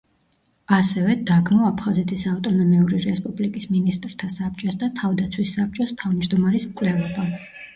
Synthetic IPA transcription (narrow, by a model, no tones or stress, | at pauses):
asɛvɛd̪aɡmɔapʰχazɛt̪ʰisaft̪ʼɔnɔmiuɾiɾɛspʼublikʼisminist̪ʼɾt̪ʰasap̚t͡ʃʼɔsd̪at̪ʰavd̪at̪sʰwisːap̚t͡ʃʼɔst̪ʰavmd͡ʒd̪ɔmaɾismkʼlɛlˠɔba